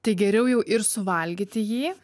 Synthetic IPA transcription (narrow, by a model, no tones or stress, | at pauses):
t̪ɐɪɡʲɛɾʲɛʊjɛʊʔɪɾsʊʋɐlʲɡʲit̪ʲɪjiː